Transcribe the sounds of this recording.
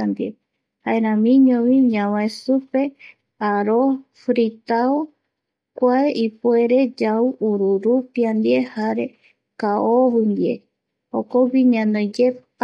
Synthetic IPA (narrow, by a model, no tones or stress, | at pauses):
and̪ie | haeɾãmĩɲõβiɲãwaesupe̞ | aɾo | fɾit̪ao | kʷaeʔipueɾe̞d͡ʒauuɾuɾupiand̪iehaɾe | kaoβɨnd̪ie̞̰ | okobiɲãnojd͡ʒep